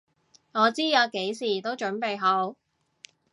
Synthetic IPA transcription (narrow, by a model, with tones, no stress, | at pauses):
ŋɔː˨˧t͡siː˥jɐ˨˧wke˨˥jsiː˨˩t̪o˥wt͡ʃɵ˨˥npe˨jɦo˨˥w